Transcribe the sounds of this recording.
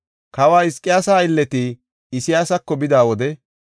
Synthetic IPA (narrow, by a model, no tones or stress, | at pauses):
kɐwaːɪskʼːɪjaːsaːɪlːɛt̪ɪː | sɪjaːsɐkːɔbɪd̪aːwɔd̪ɛ